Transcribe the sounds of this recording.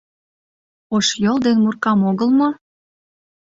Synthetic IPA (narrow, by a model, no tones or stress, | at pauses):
oʃjold̪enmurkɑmoɣəlmo